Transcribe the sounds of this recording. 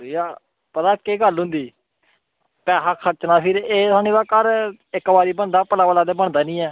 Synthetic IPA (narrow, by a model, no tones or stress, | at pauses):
iaː | pət̪aːkeːɡəlɦʊ̃nd̪iː | pɛːɦaːkʰəɾt͡ʃnaːpʰɪɾeːt̪aːniːbaːkəɾ | ɪkːbaːɾiːbəɳd̪aːpəlaːʋəlaːd̪eːbəɳd̪aːnĩːɛː